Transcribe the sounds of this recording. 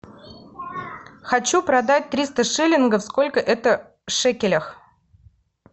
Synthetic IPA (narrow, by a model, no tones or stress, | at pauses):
xɐt͡ɕupɾɐd̪at̚ʲt̪ɾʲist̪əʂɨlʲɪnɡəfskolʲkəʔɛt̪ə | ʂɛkʲɪlʲəx